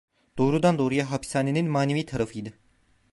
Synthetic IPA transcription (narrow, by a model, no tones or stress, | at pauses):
d̪̥o̞ːɾud̪and̪o̞ːɾujaɦapi̥saːneninmaːneviːt̪ʰaɾafɯjd̪ɯ